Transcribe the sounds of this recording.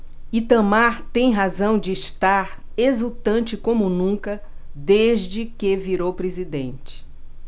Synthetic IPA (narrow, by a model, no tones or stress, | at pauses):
it̪ɐ̃maɾt̪ẽj̃ɦazɐ̃w̃d͡ʒɪːʃt̪aɾ | ezut̪ɐ̃nt͡ʃɪkõmʊnũkɐ | d̪eʒd͡ʒɪkeviɾowpɾezid̪ẽnt͡ʃɪ̥